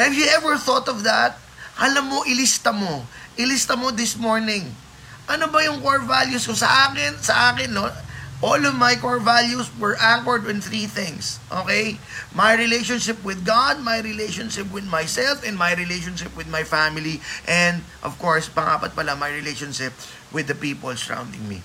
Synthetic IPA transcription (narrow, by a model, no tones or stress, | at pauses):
hɛvjʊʔɛvɛɹθot̪ɔvd̪ɐt̪̚ | hɐlɐmːoʔɪlɪst̪ɐmoʔɪlɪst̪ɐmod̪ɪsmoɹnɪ̃ŋ | ʔɐnobɐjʊŋkoɹvaljuskosɐʔaːkɪnsɐʔaːkɛnːoʔolɔvmɐjkoɹvaljuswɛɹʔakɔɹd̪̚wɪnθɹiθɪ̃ŋsʔo̰ːkɛj | majɹɪlejʃõnʃɪp̚wɪd̪̚ɡad̪̚majɹɪlejʃõnʃɪp̚wɪd̪majsɛlfɛ̃nmajɹɪlejʃonʃɪpwɪd̪mɐjfamɪliʔɛ̃nd̪̚ʔɔ̰v̥koɹspɐŋʔa̰ːpɐt̪̚pɐlamɐjɹɪlejʃɔnʃɪp̚ | wɪd̪ɐpiːpo̰lsɐɹã̰w̃nd̪ɪ̰ŋmḭ